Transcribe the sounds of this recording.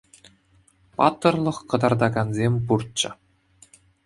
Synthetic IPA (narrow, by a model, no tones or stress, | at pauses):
pɑt̪ːɤ̆rlˠɤ̆χkɤ̆d̪ɑrd̪ɑɡɑnzʲemʲpurt̪̚t͡ɕɤ̆